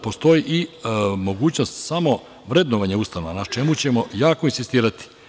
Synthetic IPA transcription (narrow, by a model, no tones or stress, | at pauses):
po̞st̪o̞jiʔimo̞ɡuːt͡ɕnost̪samo̞ | ʋɾe̞d̪noʋaɲeust̪ano̞ʋanat͡ʃe̞mut͡ɕe̞mo̞jaːkoinsist̪iːɾat̪i̥